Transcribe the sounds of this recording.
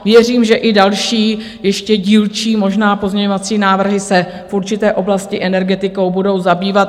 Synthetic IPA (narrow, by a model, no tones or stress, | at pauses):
vjɛr̝iːmʒɛʔɪdalʃiː | jɛʃcɛɟiːlt͡ʃiːmo̞ʒnaːpo̞zmɲɛɲovat͡siːnaːvr̩ɦɪsɛ | fʔuɾt͡ʃɪt̪ɛːʔo̞blascɪʔɛnɛɾɡɛt̪ɪko̞wbudo̞wzabiːvat̪